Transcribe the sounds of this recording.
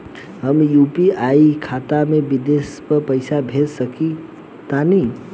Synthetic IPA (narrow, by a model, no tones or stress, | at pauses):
ɦəmjupiajikʰat̪amebid̪espəɾpəɪsabʱedsəki | t̪ani